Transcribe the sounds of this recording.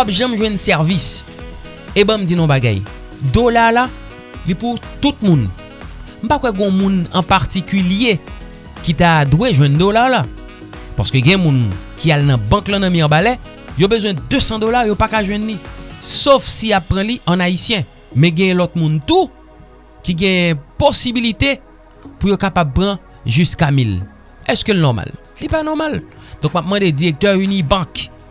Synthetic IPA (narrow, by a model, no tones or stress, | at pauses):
wapʒãmʒwɛ̃nsɛʁvis | ebãm̩d͡zinɔ̃baɡa̰j | d̪olala | liput̪ut̪̚mũn | m̩pakwɛɡɔ̃mũnɐ̃paʁt̪ikylje | kit̪ad̪weʒwɛ̃nd̪olaʁla | paskøɡɛ̃mũn | kialnɐ̃bãklãnãmĩãbalɛ | jobøzwɛ̃d̪øsɑ̃d̪olaʁjopakaʒwɛ̃nlisofsijapːʁãliʔɐ̃naisjɛ̃ | mɛ̃ɡɛ̃jɛ̃lɔt̪̚mũnt̪u | kiɡɛ̃jɛ̃posibilit̪e | pujokapab̚pʁã | ʒyskamil | ɛskølnɔma̰lː | ipanɔmal | d̪̥ɔ̃k̚map̚mãd̪ed͡ziʁek̚t̪œʁynibãk